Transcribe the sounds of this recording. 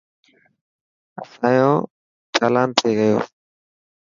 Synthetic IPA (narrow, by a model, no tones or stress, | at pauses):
əsaːjõː | tʰaːlaːnt̪ʰeːɣəjo̰ː